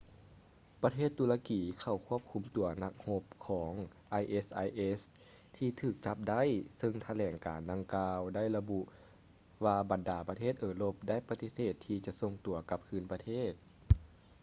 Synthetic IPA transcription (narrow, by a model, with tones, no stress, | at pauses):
pa˧t̪ʰeː˥˩t̪ːuː˧˦la˧kiː˨˩kʰa˧˩wkʰu˧˥˩əm̚kʰu˧˦mt̪u˨˩˦ɐna˧˦k̚ho˧˥p̚kʰɔː˩˦ŋ | ʔa˧jʔe˧sʔa˧˩jʔe˧˥s | t̪ʰiː˧t̪ʰɯː˧˩k̚t͡ɕa˧˦p̚da˥˨jsɤ˧ŋt̪ʰa˧lɛː˨˩ŋka̰ː˨nda˧ŋkaː˧wda˥˩jla˧bu˧ʔ | ʋaː˧ba˨˩ndaː˨˩˦pa˧t̪ʰeː˥˩t̪̚ʔɤː˧˩lo˧p̚da˥˨jpa˧t̪i˧˦seː˧˩t̪ʰːiː˧t͡ɕa˧˦ʔso˧ŋt̪u˨˩ɐka˧˦p̚kʰɯː˧˥˨npa˧t̪ʰeː˥˩t̪̚